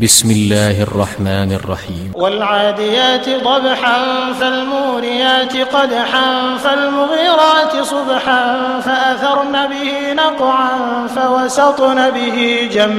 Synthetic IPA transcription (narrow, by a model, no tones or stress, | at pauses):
bɪsmɪlːaːhʔɑ̰rˤːɑħmaːnɑ̰rˤːɑ̰ħiːmwalʕaːd̪ɪjaːt̪ɪd̪ˤɑbħanfalmʊːɾɪjaːt̪ɪqɑd̪aħanfalmʊɣiːɾaːt̪ɪsˤʊbħan | faʔaθɑɾˤnaːbɪhiːnɑqʕan | fawɑsɑt̪ˤnaːbɪhiːd͡ʒamː